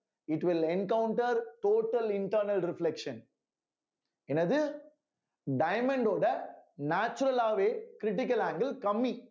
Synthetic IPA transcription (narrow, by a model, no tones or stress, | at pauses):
ɪʈʋɪlɛnkɐʊɳʈɐɾʈoːʈːɐlɪɳʈɐːɾnɐlɾɪflɛkʂɐ̃n | ɛnɐðɯ | ɖɐɪmɛɳɖoːɽɐnaːt͡ʃːʊɾɐlaːʋeːkɾɪʈ̬ɪk̬ɐlaːŋɡɐlkɐmːi